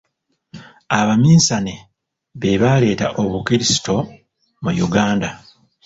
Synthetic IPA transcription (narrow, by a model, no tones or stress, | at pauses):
aβamiːsane | βe̞βaːle̞ːtaʔo̞βukiɾisi̥to̞ | mujuɡaːnda